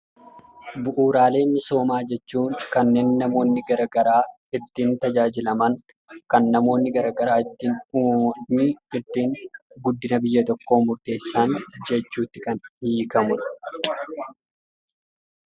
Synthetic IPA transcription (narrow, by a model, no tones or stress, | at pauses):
bʊʔuːɾaːle̞ːmːɪso̞ːmaːd͡ʒɛt͡ʃːuːŋkɐnːe̞ːnːɐmo̞ːnːɪɡɐɾɐɡɐɾaː | ɪt̪ːiːnt̪ɐd͡ʒaːd͡ʒɪlɐmɐŋ | kɐnːɐmo̞ːnːɪɡɐɾɐɡɐɾaːɪt̪ːinuɪɪɾt̪iːŋɡʊd̪ːɪnɐbɪjːɐt̪ɔkːo̞ːmʊɾt̪e̞ːsːaːnd͡ʒɛt͡ʃːuːt̪ːɪkɐnhikɐmʊn